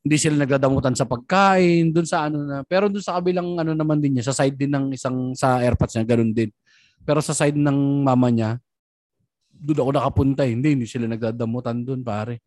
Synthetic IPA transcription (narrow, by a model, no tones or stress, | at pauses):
hɪnd̪isɪlanɐɡ̚d̪aːd̪ɐmʊt̪ansɐpɐɡ̚kaːʔɪnd̪ʊnsɐʔɐno̞nɐpɛːɾo̞d̪ʊnsɐkɐbɪlaŋʔɐno̞nɐmand̪ɪnɲasɐsajd̪̚ːɪnːɐŋɪsaŋsɐʔɛɾpɐt̪sɲaɡɐno̞nd̪ɪn | pɛːɾo̞sɐsajd̪̚nɐŋmaːmɐɲa | d̪ʊd̪ɐkonɐkɐpʊnt̪ahɪnd̪ihɪnd̪isɪlanɐɡ̚d̪ad̪ɐmʊt̪and̪onpaːɾɛ